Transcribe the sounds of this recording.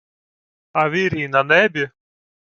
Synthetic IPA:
avʲiɾʲiːnanɛbʲɪ

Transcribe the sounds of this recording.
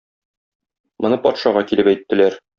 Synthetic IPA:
mŏnɤpɒt̪ʃɑʁɑkilɘpæjt̪ːɘ̆læɾ

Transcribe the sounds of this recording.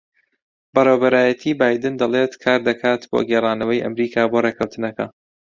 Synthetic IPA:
bɐrewbɐɾaːjɐt̪ʰiːbaːjd̪ɨnd̪ɐlˠet̪kʰaːɾd̪ɐkʰaːt̪bo̰ːɡɛːrˤɑːnɐwɐjʔɐ̰mɾiːkʰaːboːreːkʰɐwt̪ʰɨnɐkʰɐ̰

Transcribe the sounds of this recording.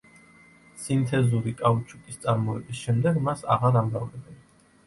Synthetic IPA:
sint̪ʰɛzuɾikʼaut͡ʃʰuk̪ʼist̪sʼaɾmɔɛbisʃɛmd̪ɛɡmasa̰ʁaɾamɾavlɛbɛn

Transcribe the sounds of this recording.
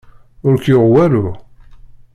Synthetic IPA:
ʊɾkjoʁwæɾu

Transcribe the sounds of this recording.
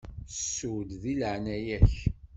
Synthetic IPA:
sːuwlðilʕnæjæç

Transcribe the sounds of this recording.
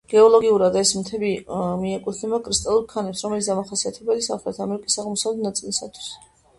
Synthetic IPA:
ɡ̥ɛɔlˠɔɡiuɾad̪aɛsmt̪ʰɛbimiɛkʼut̪ʰnɛbakʼɾist̪ʼalˠuɾkʰanɛpsɾɔmɛlit̪sd̪amaχasiat̪ʰɛbɛlisaχɾɛt̪ʰamɛɾikʼisaʁmɔsavlɛt̪ʰnat̪sʼilisat̪ʰwi̥s

